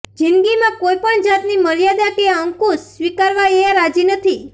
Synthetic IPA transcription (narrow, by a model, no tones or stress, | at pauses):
d͡ʒɪnɡimãkojpəɳd͡ʒat̪niməɾjad̪akeəŋkusʋikaɾʋaeãɾad͡ʒinət̪ʰi